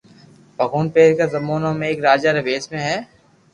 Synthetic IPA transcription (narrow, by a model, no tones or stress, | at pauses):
bʱɐɡuːnpeːɾkazɐmoːnamẽeːkɾaːd͡ʒaɾɐʋeːsmẽɦɛː